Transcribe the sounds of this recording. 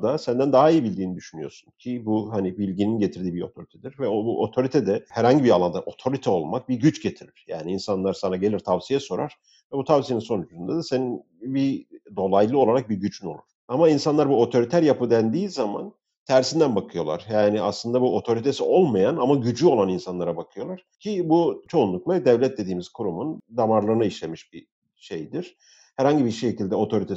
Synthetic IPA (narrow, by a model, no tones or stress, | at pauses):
d̪asænd̪ænd̪aɦaijibilʲd̪iːnid̪yʃynyjo̞̰su̥ncʰibuɦanibilʲɟininɟe̞t̪ʰiɾd̪iːbiɾo̞t̪ʰo̞ɾit̪ʰɛd̪iɾvɛobuʔo̞t̪ʰo̞ɾit̪ʰɛd̪ɛhæɾhaɲɟibialˠand̪aʔo̞t̪ʰo̞ɾit̪ʰɛo̞lˠmak̚biɾɟyt͡ʃɟe̞t̪ʰiɾiɾ̥ja̰ːniːnsanlˠaɾsanaɟe̞lʲiɾt̪ʰavsijɛso̞ɾaɾ̥ | vɛbut̪ʰavsijeninso̞nyt͡ʃʰyzynd̪ad̪ase̞nin | bid̪o̞lˠajlˠɯo̞lˠaɾak̚biɾɟyt͡ʃʰyno̞lˠṵɾ̥amainsanlˠaɾbuo̞t̪ʰo̞ɾit̪ʰæɾjapɯd̪ænd̪iːzama̰n | t̪ʰæɾsind̪ænbakʰɯjo̞lˠa̰ɾ̥jaːniaslˠɯnd̪abuo̞t̪ʰo̞ɾit̪ʰe̞sio̞lˠmajanamaɟyd͡ʒyo̞lˠaninsanlˠaɾabakʰɯjo̞lˠaɾ̥cʰibut͡ʃʰo̞unlˠuklˠad̪ɛvlʲɛt̪̚d̪e̞d̪iːmiz̥kʰuɾumund̪amaɾlˠɯɾɯnaiʃlʲe̞miʃbi | ʃe̞jd̪iɾ̥ | hæɾhaɲɟibiʃecilʲd̪ɛo̞t̪ʰo̞ɾit̪ʰe